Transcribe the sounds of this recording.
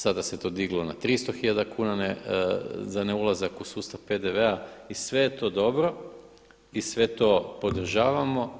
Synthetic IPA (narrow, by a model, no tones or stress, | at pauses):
sad̪ase̞t̪o̞ːd̪iɡlˠonat̪ɾist̪oxiʎad̪akuːnane | zaneulˠazakusuːst̪aʋpe̞d̪eʋeaisʋe̞jet̪o̞ːd̪o̞bɾo̞ | isʋe̞t̪o̞ːpo̞d̪r̩ʒaːʋamo̞